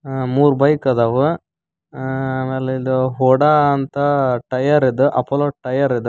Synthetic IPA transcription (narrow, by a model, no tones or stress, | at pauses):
muːɾbɐjkːɐðaːʋɯ | meːlɐid̪ɯɦoɽant̪ɐʈɐjɐɾid̪ɯʔɐpːɐloʈɐjɐɾid̪ɯ